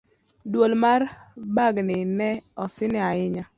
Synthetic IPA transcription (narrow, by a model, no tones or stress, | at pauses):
dwolmarbaɡnɪnɛɔsɪnɪaɪɲa